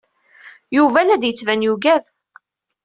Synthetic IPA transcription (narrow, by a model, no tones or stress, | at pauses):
juvælæd̪jət͡sːvænjuɡæð